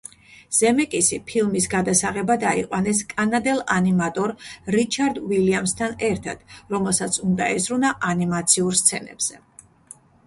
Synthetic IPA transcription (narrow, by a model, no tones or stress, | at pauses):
z̥ɛmɛkʼisipʰilˠmisɡad̪asaʁɛbad̪aiqʼwanɛskʼanad̪ɛlˠanimat̪ʼɔɾɾit͡ʃʰaɾd̪wiliamst̪ʰanɛɾt̪ʰa̰d̪̥ɾɔmɛlˠsat̪sʰund̪aɛzɾunaʔanimat̪sʰiuɾst̪sʰɛnɛ̰b̥z̥ɛ